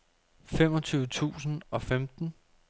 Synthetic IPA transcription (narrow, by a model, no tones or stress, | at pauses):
fem̰ɒ̽t͡sʰyːʊət͡sʰṵːsn̩ɒ̽femd̥n̩